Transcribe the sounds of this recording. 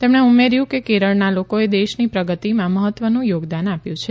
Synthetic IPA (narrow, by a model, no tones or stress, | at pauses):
t̪emɳeumeɾjũkekeɾəɭnalokoed̪eʃnipɾəɡət̪imãməɦət̪ʋənũjoɡd̪anapjũt͡ʃʰe